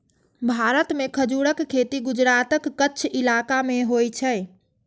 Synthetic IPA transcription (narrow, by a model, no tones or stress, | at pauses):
bʱaɾət̪mekʰəd͡ʒuɽəkʰːet̪iɡud͡ʒɾat̪əkːətːt͡ʃʰilakameɦojt͡ʃʰə